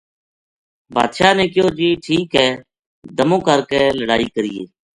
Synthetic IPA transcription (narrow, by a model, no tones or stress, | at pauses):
ba̰ːd̪ʃaːneːkɪjoːd͡ʒiːʈʰiːkɦɛː | d̪əmõːkəɾkeːləɽaːiːkəɾɪjḛː